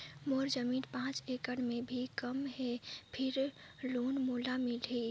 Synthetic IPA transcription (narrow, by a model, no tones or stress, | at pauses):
moːɾd͡ʒəmiːnpãːt͡ʃeːkəɽmẽbʱikəmɦɛpʰɪɾ | loːnmoːlamɪliː